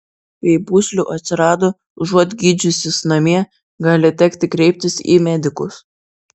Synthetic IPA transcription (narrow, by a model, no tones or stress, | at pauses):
pʲɛɪbuːsʲlʲuːʔɐt̪ʲsʲɪɾɑːd̪o | ʒuɔt̪ʲɡʲiːd͡ʒʲʊsʲɪsnɐmʲiɛ | ɡɑːlʲɪt̪ʲɛkt̪ʲɪkɾʲɛɪp̚ʲt̪ʲɪsḭːmʲæd̪ʲɪkʊs